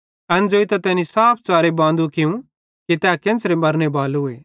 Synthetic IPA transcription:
ɐnd͡zoːit̪ɐt̪ɛːnisaːp̚ʰt͡saːɾebãːnd̪ukɪũ | kit̪ɛːkɪ̃nsɾemɐɾnebʱaːlʊeː

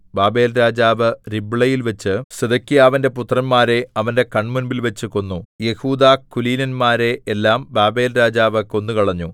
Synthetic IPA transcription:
baːbe̞ːlɾaːd͡ʑaːʋɨribɭɐjilʋɐt͡ɕːɨsed̪ɐkːijaːʋɐnde̞put̪ːrɐnmaːɾe̞ɐʋɐnde̞kɐɳmunbilʋɐt͡ɕːɨko̞nːuje̞huːd̪aːkːuliːnɐnmaːɾe̞ːlːaːmbaːbe̞ːlɾaːd͡ʑaːʋɨko̞nːukɐɭɐɲːu

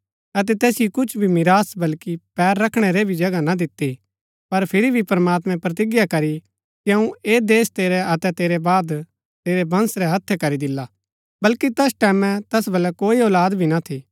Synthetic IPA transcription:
ɐt̪̬ɛt̪ɛːsjokʊt͡ʃʰbʱimɪɾaːsbɐlkipɛːɾːɐkʰɽ̃ɛɾebʱid͡ʒɐɡanad̪ɪt̪ːi | pɐɾpʰɪɾibʱipɐɾmaːt̪̬mɛ̃pɾɐt̪̬ɪɡjakɐɾi | kiɐ̃ũeːd̪eːst̪eːɾɛɐt̪ɛt̪eːɾɛbaːd̪ | t̪eːɾɛbɐ̃nsɾɛɦɐt̪ʰːɛkɐɾid̪ɪlːa | bɐlkit̪ɛsʈɛːmɛ̃t̪ɛsbɐlɛkoːiɔːlaːd̪bʱinat̪ʰi

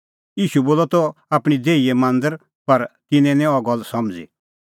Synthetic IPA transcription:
jiːʃuboːlɔt̪ɔaːpɽ̃id͡zeːiemãnd̪əɾ | pɐɾk̪ɪnɛ̃nɛ̃ɔɡɔlsɔmd͡zḭ

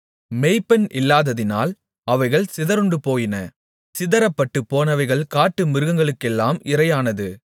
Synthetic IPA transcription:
mɛɪpːɐnʔɪlːaːðɐðɪna̰ːl | ɐʋɐɪɣɐɭsɪðɐɾɯɳɖɯpoːjɪnɐ | sɪðɐɾɐpːɐʈːɯpːoːnɐʋɐɪɣɐɭkaːʈːɯmɪɾɯɣɐŋɡɐɭɯkːɛlːaːmɪɾɐjaːnɐðɯ

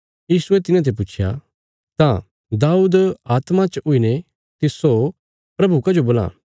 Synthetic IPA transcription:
jiːsʊet̪ɪnãt̪̬ʰep̬ʊːt͡ʃʰja̰ | t̪ã | d̪aːuːd̪aːt̪mãt͡ʃʊine | t̪ɪso | pɾɐbukɐd͡ʒoboːlã̰ː

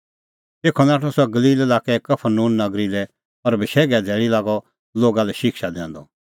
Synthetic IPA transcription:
t̪eːkʰɔnaːʈʰɔsɔɛɡɐliːlelaːkɛkɐpʰəɾnũːnːɐɡɾilɛ | ɔɾbʱɪʃɛːɡɛd̪ʱɛːɽilaːɡɔ | loːɡalɛʃɪkʃad̪ɛ̰̃ːnd̪ɔ

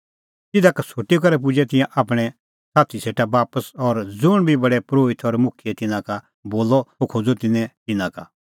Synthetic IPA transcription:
tɪd̪akɐsʰoʈːik̬ɐɾɛp̬ʊd͡ʒɛt̪ɪ̃jãʔaːp̬ɽ̃ɛ | saːt̪ʰiseːʈabaːpəsɔɾd͡zʊɽ̃bʱibɐɽɛpɾoːɪt̪ʰɔɾmʊkʰijet̪ɪnãka | boːlɔokʰod͡zot̪ɪnɛ̃t̪ɪnãka

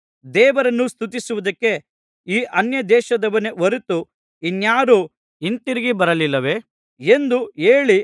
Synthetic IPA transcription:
d̪ɛːʋɐɾɐnːust̪ʰut̪isuʋud̪ɐkːe̞ | iːʔɐnjɐd̪ɛːʃɐd̪ɐʋɐneʋɐɾut̪u | injaːɾu | int̪iɾiɡibɐɾɐlilːɐʋe̞ | end̪ueːɭi

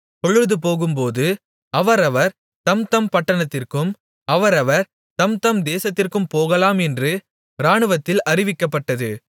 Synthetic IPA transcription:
kɔɭɯðɯpoːɣɯmpoːðɯ | ɐʋɐɾɐʋɐɾ | t̪ɐmt̪ɐmpɐʈːɐɳɐt̪ːɪrkɯm | ɐʋɐɾɐʋɐɾ | t̪ɐmt̪ɐmd̪eːsɐt̪ːɪrkɯmpoːɣɐlaːmɛndrɯ | ɾaːɳɯʋɐt̪ːɪlɐrɪʋɪkːɐpːɐʈːɐðɯ

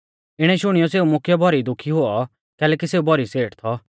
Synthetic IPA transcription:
ɪɽ̃ɛʃʊɽ̃ijɔseːumʊkʰjɔbʱɔɾid̪ʊkʰːiɦoɔ | kɛːlɛːkiseːubʱɔɾiseːʈt̪ʰɔ

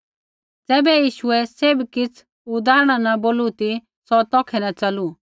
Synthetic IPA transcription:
d͡zɛːbɛjiːʃʊɛsebkɪt͡sʰ | ʊd̪aːɾɽ̃anɐboːlut̪i | sɔt̪ɔːkʰɛnɐt͡sɐlu

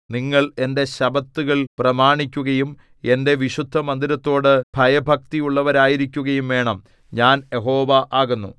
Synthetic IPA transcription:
niŋːɐɭe̞nde̞ɕɐbɐt̪ːuɣɐɭprɐmaːɳikʲːuɣɐjum | e̞nde̞ʋiɕud̪ʱːɐmɐnd̪iɾɐt̪ːo̞ːɽɨb̥ʱɐjɐbʱɐk̚t̪ijuɭːɐʋɐɾaːjiɾikʲːuɣɐjumʋe̞ːɳɐm | ɲaːnjeɦoːʋɐʔaːɣunːṵ

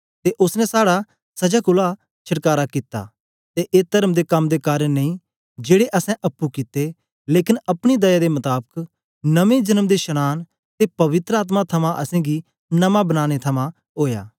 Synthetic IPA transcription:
t̪eʔʊsnɛ̃saːɽa | sɐd͡ʒaːkʊla | t͡ʃʰɐʈkaːɾakit̪ːa̰ː | t̪eʔeːt̪ɐɾəmd̪ekɐmd̪ekaːɾənnɐĩ | d͡ʒeːɽeʔɐsɛ̃ʔɐpːukɪt̪ːe | leːkɪnɐpɽ̃id̪ɐjaːd̪emɐt̪aːbək | nɐʋẽd͡ʒɐnəmd̪eʃɐñaːn | t̪epɐʋɪt̪ɾəaːt̪̬mat̪ʰɐmãʔɐsɛ̃ːɡi | nɐmãbɐnaːñet̪ʰɐmã | ɦoːja̰ː

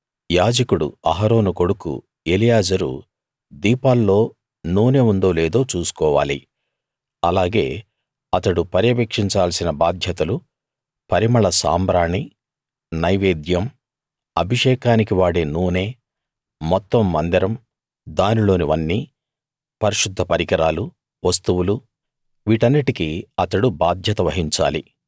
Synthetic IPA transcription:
jaːd͡ʒɐkuɽṵɐɦɐɾo̞ːnuko̞ɽukṵ | elijaːd͡ʒɐɾṵ | d̪iːpaːlːo̞ː | nuːne̞ːund̪o̞ːleːd̪o̞ːt͡ʃuːsu̥kɔːʋa̰ːli | ɐlaːɡe̞ː | ɐt̪ɐɽupɐɾjɐbekʂiɲt͡ʃaːlɐsinɐbaːd̪ʱjɐt̪ɐlu | pɐɾimɐɭɐsa̰ːmbɾaːɳi | nɐjʋeːd̪jɐm | ɐbʱiʂɛːkaːnikiʋaːɽe̞ːnuːne̞ː | mɔt̪ːɐmːɐnd̪iɾɐm | d̪aːnilo̞ːniʋɐnːiː | pɐɾiʂud̪ʱːɐpɐɾikɐɾaːlu | ʋɐst̪uwulu | ʋiːʈɐnːiʈikiɐt̪ɐɽubaːd̪ʱjɐt̪ɐʋɐɦiɲt͡ʃa̰ːli

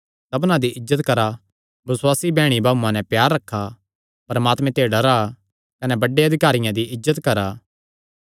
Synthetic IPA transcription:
sɐbnãd̪iʔɪzːət̪kɐɾa | bɐswaːsibɛːɽ̃ibʱaːbũãnɛ̃pjaːɾːɐkʰːa | pɐɾɐmaːt̪mɛ̃t̪eːɖɐɾa | kɐnɛbɐɖːeɐd̪ʱɪkaːɾɪjãd̪iʔɪzːət̪kɐɾaː

